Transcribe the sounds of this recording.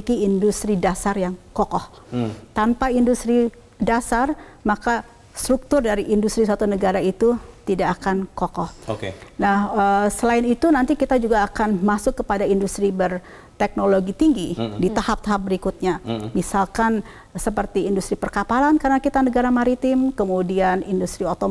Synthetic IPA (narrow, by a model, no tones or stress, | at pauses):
ikiːndust̪ɾidasarjaŋkokɔht̪anpaindust̪ɾi | dasar | maka | st̪ɾuk̚t̪ʊrdaɾiʔindust̪ɾisat̪unəɡaɾait̪ut̪idakːkankokɔhokenahəsəlaɪnit̪unant̪ikit̪ad͡ʒuɡaːkanmasʊkːəpadaindust̪ɾibər | t̪ɛk̚noloɡit̪iŋɡidit̪ahap̚t̪aɦap̚bəɾikʊt̪̚ɲamisalkan | səpərt̪iːndust̪ɾipərkapalankaɾənakit̪anəɡaɾamaɾit̪ɪmkəmudianindust̪ɾiot̪o